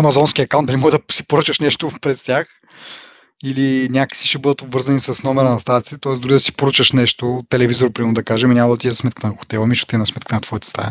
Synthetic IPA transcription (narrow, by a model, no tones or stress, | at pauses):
ɐmɐzɔnskʲiɐkawnd̪ɐlimɔɡd̪ɐsi̥poɾut͡ʃəʃnɛʃt̪opɾɛst̪ʲjax | ilinʲaki̥siʃɛbɤd̪ət̪obvɤɾzɐnisɐsnɔmɛɾɐnɐst̪ad̪t̪i̥t̪ɛt̪ɔɛsd̪ʊɾid̪ɐsi̥poɾut͡ʃəʃnɛʃt̪ot̪ɛlɛvizoɾpɾimɛmnd̪ɐkaʒɛmɛnʲamɐd̪ɐt̪iɛzsmɛt̪kət̪ɛnɐxo̥t̪ɛlˠɐmiʃo̥t̪inɐsmɛt̪kət̪ɛnɐt̪vɔit̪ɛ̥st̪a̰